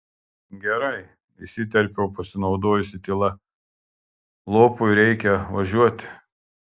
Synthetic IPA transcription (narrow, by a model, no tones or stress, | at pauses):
ɡʲɛɾɐɪ | ɪsʲɪt̪ʲɛɾʲpʲɛʊpɐsʲɪnɒʊd̪oːjʊsʲɪt̪ʲɪlˠɐ | lˠoːpʊɪɾʲɛɪkʲɛʋɐʒʲuɔt̪ʲɪ